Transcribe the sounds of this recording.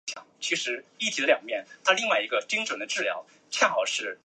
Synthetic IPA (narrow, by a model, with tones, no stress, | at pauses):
jɑ̰˨˩˦ŋt͡ɕʰi˧˥ʂɻ̩˧˥i˥˩t̪ʰi˨˥əljɑ˨˩ŋmjɛ˥˩nt̪ʰa˥li˥˧ŋwa˥˩ɪi˧˥ɡə˧t͡ɕi˥ŋʈ͡ʂwə˨˩nd̪ə˦ʈ͡ʂɻ̩˥˩ljɑ̰˧˥ʊ | t͡ɕʰjɛ˥˩nxɑ˨˩ʊʂɻ̩˥˩